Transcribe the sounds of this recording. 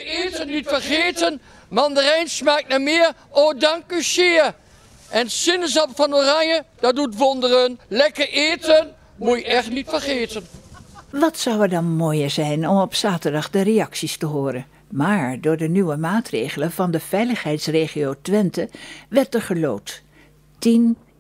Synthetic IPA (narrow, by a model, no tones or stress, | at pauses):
eːtənːitfəɹχeːtən | mɑndərɛjnsmaːk̚namɪːɹoːdɑŋkysɪːr | ʔɛnsɪnəz̬ɑpfɑnoːrɑɲjəd̥ɑdutʋɔndərənlɛkəɹʔeːtən | mujəɛχtnitfəɹχeːtənʋɑtsʌwɛɹdɑnmoːjəɹzɛjnɔmɔpsaːtəɹdɑχdərejɑksistəɦoːɾən | maːɹdʊːɹdənyʋəmaːtrejχələvɑndəv̥ɛjləχɦɛjtsreːχiowtʋɛntəʋɛrtəɹχəlowt | tin